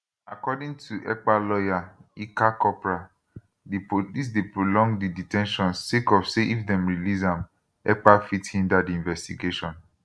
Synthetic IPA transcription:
akɔdĩŋtʰuʔɛk͡palɔjaikakɔpɹa | depolis̬depɹolɔ̃ŋdiditɛ̃nʃɔ̃nsekɔfseʔifdɛ̃mɹilizãm | ɛ̰k͡pafithĩndadiĩnvɛstiɡeʃɔ̃n

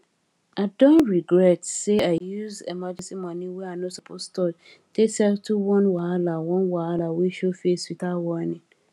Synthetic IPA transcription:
aɪdɔ̃ntɹiɡɹɛtseajuzemad͡ʒɛ̃nsimɔ̃nĩwɛanɔsɔpʰostʰɔ | tʰesɛltʰuwɔ̃nwaalawɔ̃nwaalaweʃofeswitawɔnɪ̃

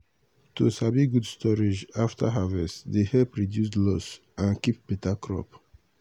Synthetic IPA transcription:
tusabiɡudstɔɹed͡ʒaftʰaɦavɛsdehɛpɹidjus̬dlɔs | ʔãnkip̚pitakɹɔ̰p

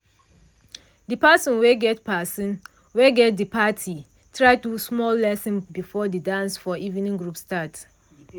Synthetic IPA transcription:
dipasɔ̃nweɡɛtpʰasɔ̃n | weɡɛt̚dipatʰi | tʰɹaɪtusmɔlːɛsɔ̃nbifɔdidãnsfɔʔivĩnĩŋɡɹupstat

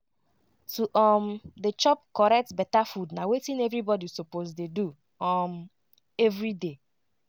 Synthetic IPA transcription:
tuʔɔmdet͡ʃɔp̚kɔɹɛk̚tbɛtafudnawetĩnɛvɹibɔdisopozdedu | ɔm | ɛvɹide

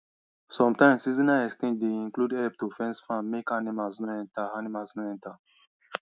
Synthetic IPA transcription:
sɔ̃mtãɪ̃msizĩnaɛstẽnd͡ʒdeĩŋkludɛlp̚tufɛ̃nsfãmːekanimalsnɔɛ̃ntaanimalsnɔɛ̃nta

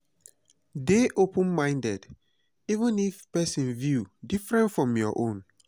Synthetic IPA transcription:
deʔopə̃nmãɪ̃ndɛd | ivə̃nifpɛsĩnvjudifɹɛ̃ntfɹɔ̃mjɔʔõn

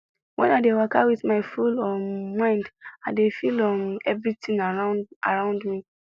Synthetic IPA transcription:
wʔɛ̃naɪdewakawiðmaɪfulɔmːãɪ̃ndadefilɔmɛvɹitĩŋaɹaʔa̰ɹãʊ̃ndmi

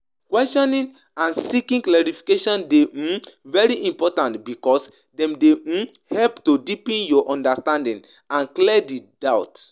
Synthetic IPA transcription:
kwɛstɔ̃nĩŋ | ãnsikĩŋklɛɹifi̥keʃɔ̃ndevɛɹiʔĩmpɔtãntbikɔs | dɛ̃mdehɛlptodipɛ̃njɔʔɔ̃ndastãndĩŋ | ãnklɛdidawt

